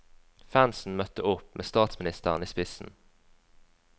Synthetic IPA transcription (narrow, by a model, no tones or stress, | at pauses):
fænsn̩mœt̪əʊpmʔḛːst̪ɑːt̪smɪnɪst̪əʁniːspɪsn̩